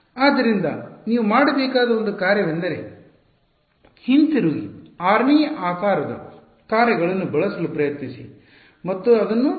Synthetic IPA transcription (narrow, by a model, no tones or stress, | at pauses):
aːd̪ːɐɾind̪ɐ̰niːʋumaːɽɐbɛːkaːd̪ɐond̪ukaːɾjɐʋend̪ɐɾḛ | hint̪iɾuːɡḭaːɾmijɐʔaːkaːɾɐd̪ɐ̰ | kaːɾjɐɡɐɭɐnːubɐɭɐsɐlupɾɐjɐt̪nisḭ | mɐt̪ːuɐd̪ɐnːu